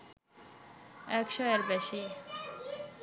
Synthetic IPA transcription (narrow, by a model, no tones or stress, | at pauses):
ɛkʃɔeɾbeʃi